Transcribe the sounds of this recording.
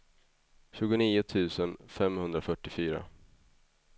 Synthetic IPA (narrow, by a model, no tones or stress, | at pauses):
ɕʉ̟ːɡʊniːʊt̪ʰʉ̟ːsənfɛmhɵnd̪ɾafœʈːɪfyːɾa̰